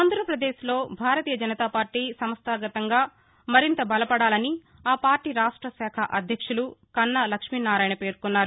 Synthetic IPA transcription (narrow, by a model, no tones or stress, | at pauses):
aːnd̪ʱɾɐpɾɐd̪eːʃlo̞ːbʱaːɾɐt̪iːjɐd͡ʒɐnɐt̪aːpaːɾʈiːsɐmɐst̪aːɡɐt̪ɐŋɡaː | mɐɾint̪ɐbɐlɐpɐɽaːlɐni | aːpaːɾʈiːɾaːʂʈɾɐsɛːkʰɐʔɐd̪ʱjɐkʂulukɐnːɐlɐkʂmiːnaːɾaːjɐnɐpe̞ːɾkunːaːɾu